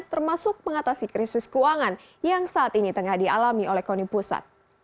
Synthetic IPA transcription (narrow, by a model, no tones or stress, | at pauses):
t̪ərmasʊk̚məŋat̪asikɾisɪskuaŋan | jaŋsaːt̪init̪əŋahdialamiʔolɛhkonipusa̰t̪̚